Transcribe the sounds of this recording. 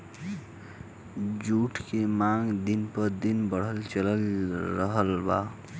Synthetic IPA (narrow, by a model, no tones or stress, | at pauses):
d͡ʒuʈʰkemaŋɡd̪inpəɾd̪inbəɽ̤əlt͡ʃələlɾəɦəlba̰